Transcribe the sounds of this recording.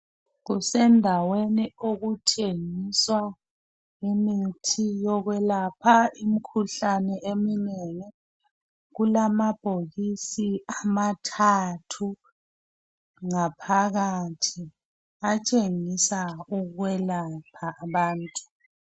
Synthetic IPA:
ɣusɛndʱawenioɣutʰeŋiswa | imitʰijɔɣwɛlapʰaimikʰuɬanɛemineŋɛ | ɣulamab̥ʱoɣisiamatʰatʰu | ŋapʰaɣatʰi | at͡ʃʼeŋisauwɛlapʰaːβaːntʼu

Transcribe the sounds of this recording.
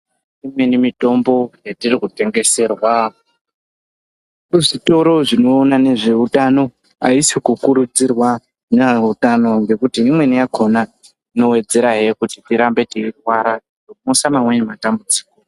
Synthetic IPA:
imwe̞nimitʼo̞mbo̞jatirikute̞ŋɡe̞se̞rwa | ʐito̞ɾo̞ʐino̞ːnane̞ʐeutano̞ | a̰isikukuɾud͡zirwa | neutano̞ŋɡe̞kutiːmwe̞nijakʰo̞na | ino̞we̞d͡ze̞ɾaɦekutitiɾambe̞tiirwaɾa | nomosamamwe̞nematambud͡zi̥ːko

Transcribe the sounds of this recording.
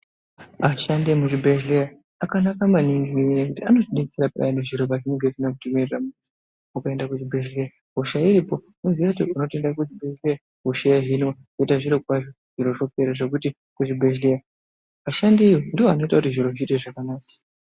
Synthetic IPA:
aʃande̞muʐibʱeʒleja | akanakamaniŋɡineejekutiano̞ʐiɗit͡siɾapa̰janeʐiɾobaʐineŋɡetinak̬utimeramusi | ukae̞ndakuʐibʱeʒleja | ɦoʃaiɾipo̞ | munzijautiuno̞tendakud͡ʒibʱeʒleja | ɦuʃejaɦinokuitaʐiɾok̚waʐo | ʐ̥iɾo̞ʐo̞pe̞ɾaʐe̞kuti | kuʐibʱeʒleja | aʃandeijondiwoano̞itakutiʐiɾo̞ʐiteʐakanaːkḁ

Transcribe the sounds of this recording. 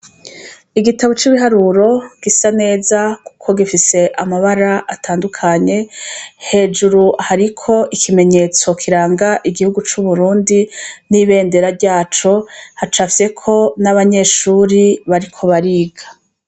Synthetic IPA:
iɡitaβot͡ʃiβiɦaɾuɾo̞ɡ̥isane̞ːzaku̥kʰo̞ɡifise̞ʔamaβaɾaʔatʰaːndukʰaɲe̞he̞ːd͡ʒuɾuhaɾikʰo̞ʔikʰime̞ɲe̞t͡so̞kʰiɾaːŋɡaʔiɡihuɡut͡ʃuβuɾuːndiniβe̞ːnde̞ɾaɾɟaːt͡ʃo̞hat͡ʃafise̞kʰo̞naβaɲe̞ːʃuːɾiβaɾikʰo̞βaɾiːɡḁ

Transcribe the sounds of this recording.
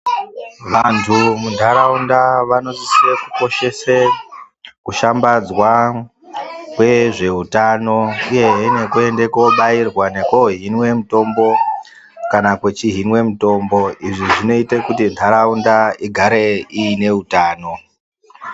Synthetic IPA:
ʋantʰumundʱaɾaundaʋano̞zisiɾekuko̞ʃe̞se | kuʃambad͡zwa | kwe̞ʐe̞utano̞uje̞ɦine̞kue̞nde̞ko̞ɓairwane̞koɦinwe̞mito̞mbo̞ | kanakwe̞t͡ʃiɦinwe̞mito̞mbo̞iʐiʐino̞itekutindʰaɾaundaiɡʱaɾe̞iːne̞utaːno̞

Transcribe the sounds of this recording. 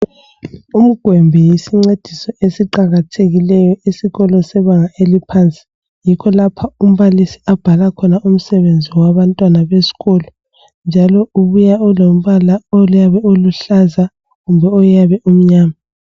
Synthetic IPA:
um̩ɡ̥ʱwɛmbʱɛjisiŋ͡ǀed̥ʱisɔesiǃaɣatʰeɣilɛjɔisiɣɔlɔsɛβaŋaʔelipʰant͡sʼi̥ | jikʰɔlapʰaum̩βalisiab̥ʱalakʰɔnaum̩sɛβend͡zʱiwaβantʼwanaβesi̥ɣɔlɔ | nd͡ʒʱalɔuβujaɔlom̩βalaojaβɛoluɬaza | ɣumbʱɛɔjaβɛum̩ɲaːma

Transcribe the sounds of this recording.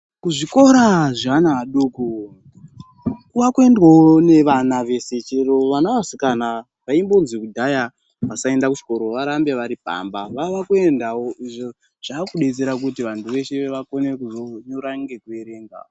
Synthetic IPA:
kuʐiko̞ɾaʐanaɗoko | kuʋakue̞ndwaone̞ʋanaʋe̞se̞t͡ʃeɾo̞ʋanaʋasikana | ʋaimbo̞nzikudʱaja | ʋasae̞ndakut͡ʃi̥ko̞ɾo̞ʋaɾambeʋaɾipa̰mbaʋaʋakue̞ndawoʔiʐo | ʐ̥aːkuɗe̞t͡se̞ɾak̬utiʋantʰuʋe̞ʃeʋako̞nekuzoɲoɾaŋɡe̞kueɾe̞ŋɡa̰o

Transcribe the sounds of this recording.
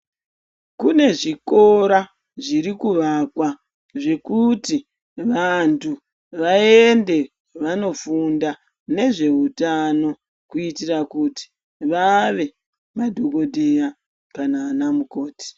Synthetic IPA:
kune̞ʐiko̞ɾa | ʐiɾikuʋakwa | ʐe̞kuti | ʋantʰu | ʋaende̞ | ʋano̞funda | ne̞ʐe̞utano̞ | kuitirakuti̥ | ʋaʋe̞ | madʱoɡo̞dʱeja | kanaːnamuko̞ːti̥

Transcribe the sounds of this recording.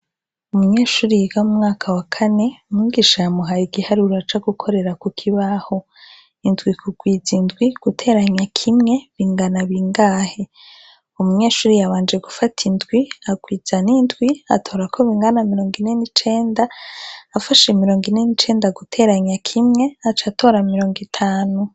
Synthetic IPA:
umuɲe̞ːʃuːɾijɡaumŋaːkʰawakʰane̞umuɡiʃajamuɦajiɡihaɾuɾat͡ʃaɡukʰo̞ɾe̞ɾakukʰiβaho̞ | indɡwikʰuɡ̥wiːzindwiɡ̥utʰe̞ːɾaɲakʰimŋe̞βiːŋɡanaβiŋɡaːhe̞ | umuɲe̞ːʃuːɾijaβaːnd͡ʒe̞ɡufatʰindɡwiaɡwiːzanindɡwia̰tʰo̞ːɾakʰo̞βiːŋɡanamiɾo̞ːŋɡine̞nit͡ʃe̞ːndaː | faʃemiɾo̞ːŋɡine̞nit͡ʃe̞ːndaɡutʰe̞ːɾaɲakʰimŋe̞at͡ʃatʰo̞ːɾamiɾo̞ːŋɡitʰaːnu

